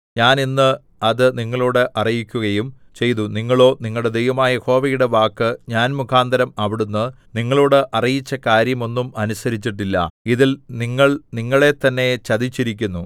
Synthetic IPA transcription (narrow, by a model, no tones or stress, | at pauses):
ɲaːninːɨ | ɐðɨniŋːɐɭoːɽeʔɐrijikʲːuɣɐjum | t͡ɕe̞jt̪uniŋːɐɭo̞ːniŋːɐɭɽed̪e̞jʋɐmaːjɐho̞ːʋɐjuɽe̞ʋaːkːɨɲaːnmukʰaːnd̪ɐɾɐmɐʋiɽunːɨ | niŋːɐɭoːɽɨʔɐrijit͡ɕːɐkaːɾjɐmo̞nːumɐnusɐɾit͡ɕːiʈ̬ːilːɐ̰iðilniŋːɐɭniŋːɐɭe̞t̪ːɐnːe̞t͡ɕɐðit͡ɕːiɾikʲːunːu